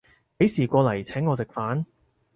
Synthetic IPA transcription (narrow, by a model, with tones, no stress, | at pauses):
pe˨˥jsiː˨˩kʷɔː˧lɐ˨˩jt͡sʰɛː˨˥ŋːɔː˨˧t͡sɪ˨k̚faː˨˥n